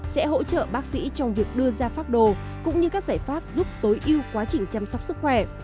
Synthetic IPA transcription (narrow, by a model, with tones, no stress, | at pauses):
sɛ̰˧˥ɦo̰˧˥t͡ɕə̰ː˧˨ɓaː˦˥k̚sḭ˧˥t͡ɕɔ˧wŋ͡mvi˨˩ək̚ɗɨ˧əzaː˧faː˦˥t̚ɗo˧˩ | kʊ̰˧˥ŋ͡mɲɨ˧kaː˦˥k̚zaː˧˩jfaː˦˥p̚zu˦˥p̚t̪o˨˦jʔi˧əwkwaː˨˦t͡ɕï˨˩ŋ̟t͡ɕa˧msɔ˦˥k͡p̚sɨ˦˥k̚xwɛ˧˩